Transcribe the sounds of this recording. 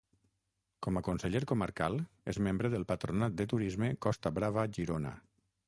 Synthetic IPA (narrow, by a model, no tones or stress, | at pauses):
kɔməkunsəʎeɾkuməɾkalˠ | ḛzmembɾəðəlˠpət̪ɾunat̪̚d̪ət̪uɾizməkɔst̪aβɾaβaʒiɾonə̰